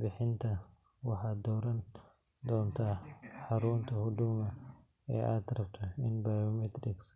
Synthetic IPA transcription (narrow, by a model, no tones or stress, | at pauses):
bɪħɪnt̪ʰɐwɑħaːd̪ɔːɾɐnd̪ɔːnt̪ʰɐħaɾuːnt̪ʰɐhʊd̪ʊmɐɛ̰ːʔaːt̪ɾɐbt̪ʰɐɪnbajɔmɛt̪ɾɪk